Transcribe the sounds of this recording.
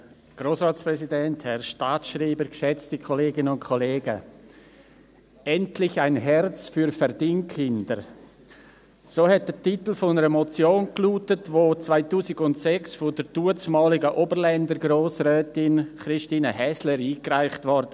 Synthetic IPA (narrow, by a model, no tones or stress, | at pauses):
ɡ̥ɾoːsʁɑːtsprɛsidɛnthɛɾʃtaːtʃriːbəɾkʃɛt͡stikʰoleːɡɪnənʊntkʰɔleːɡə̰ | ɛntlɪçaɪnɦɛrt͡sfyɾfɛɾd̥iŋkʰːɪndəɾ | soːhɛt̚d̥ətitl̩fonəɾəmɔt͡sjoːnkluːtətvoːt͡svaɪtuːsɪɡʊntsɛksfodəɾduət͡smɑːlɪɡəʔoːbəɾlɛndəɾɡɾoːsrœːtɪnχɾɪʃtiːnəhɛsləɾiːkraɪχtvɔɾdə